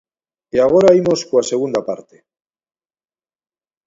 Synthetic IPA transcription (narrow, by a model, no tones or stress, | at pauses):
eaɣ̞o̞ɾaimo̞skoase̞ɣ̞und̪apa̰ɾt̪e